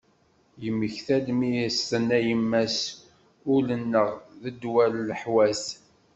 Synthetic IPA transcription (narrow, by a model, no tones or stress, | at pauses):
jəmːəçθælmijəsθənæjəmːæs | ʊlənːəʁðəd̪wælːəħwæs